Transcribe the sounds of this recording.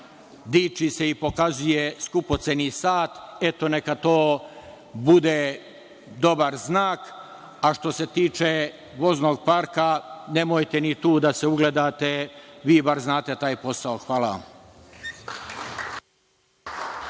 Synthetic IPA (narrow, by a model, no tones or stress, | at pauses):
d̪iːt͡ʃise̞ipo̞kazujeskupo̞t̪senisaːt̪e̞t̪o̞ne̞kat̪oː | bud̪e | d̪o̞baɾznaːk | aʃt̪o̞se̞t̪iːt͡ʃe | ʋo̞zno̞ɡ̚paɾkane̞mojt̪enit̪uːd̪aseuɡled̪aːt̪eʋiːbaɾznaːt̪e̞t̪aːjpo̞saoxʋaːlaʋa̰m